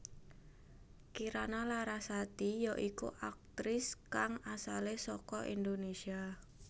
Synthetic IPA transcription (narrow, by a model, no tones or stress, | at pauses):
kiɾanalaɾasat̪ijɔʔikṵʔak̚t̪ɾɪskaŋasalesɔkɔʔind̪onesia